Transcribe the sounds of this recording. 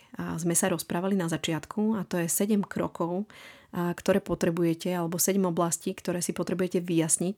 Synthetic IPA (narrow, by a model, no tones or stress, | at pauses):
zmɛsaɾɔspɾaːʋalinazat͡ʃɪat̪kʰuat̪ɔjɛsɛɟɛmkɾɔ̰kɔʊ | kt̪ɔɾɛːpɔt̪ɾɛbujɛcɛalɛbɔsɛɟɛmɔblasciːkt̪ɔɾɛːsipɔt̪ɾɛbujɛcɛʋijasɲic